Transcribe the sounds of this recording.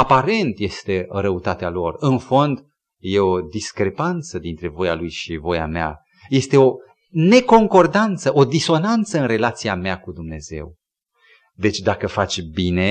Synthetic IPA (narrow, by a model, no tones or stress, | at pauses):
apaɾe̞nt̪je̞st̪e̞ɾəut̪at̪ealo̞rɨnfo̞nd̪ | jeo̞d̪iskɾe̞pant̪səd̪int̪ɾe̞vo̞jalujʃivo̞ja̰mea̰ | je̞st̪e̞o̞ | ne̞koŋko̞rd̪ant̪səʔod̪iso̞nant̪səɨnre̞lat̪siamakud̪umne̞zḛw | d̪e̞t͡ʃʲd̪akəfat͡ʃʲbine̞